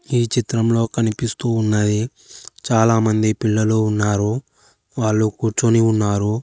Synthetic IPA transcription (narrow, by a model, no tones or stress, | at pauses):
iːt͡ʃit̪ɾɐmlo̞ːkɐnipist̪uːnːɐd̪i | t͡ʃaːlaːmɐnd̪ipiɭːɐloːunːaːɾuː | ʋaːɭːukuːɾt͡ʃoniunːaːɾu